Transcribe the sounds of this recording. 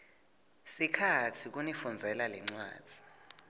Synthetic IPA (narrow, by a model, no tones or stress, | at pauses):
sikʰatʰik̬ʼunifund͡zʱɛlalɛ̰ŋ͡ǀwa̰ːd̥ʱi